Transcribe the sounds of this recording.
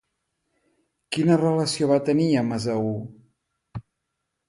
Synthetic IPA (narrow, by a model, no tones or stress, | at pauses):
kinərələsioβat̪əniəməzəu